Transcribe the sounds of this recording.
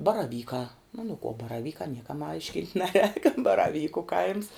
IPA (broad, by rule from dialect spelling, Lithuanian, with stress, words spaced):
bɐrɐˈʋʲiːkɑː oː nʊ kuɔ bɐrɐˈʋʲiːkɑː ˈnʲiɛkɐm ˈɐɪʃʲkʲɪnʲtʲ ˈnʲæːˌrʲɛːk bɐrɐˈʋʲiːkʊ kɐɪms